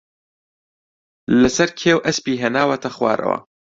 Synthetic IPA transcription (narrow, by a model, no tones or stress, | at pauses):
lɐsɐɾkʰeːwʔɐspiːɦenaːwɐt̪ʰɐxwa̰ːɾɐ̰wɐ̰